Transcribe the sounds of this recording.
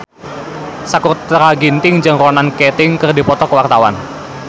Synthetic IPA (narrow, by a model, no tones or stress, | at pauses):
sakurt̪ɾaɡint̪ɪŋd͡ʒɨŋɾɔnankɛt̪ɪŋkɨrdi̤pɔt̪ɔkəwart̪awa̰n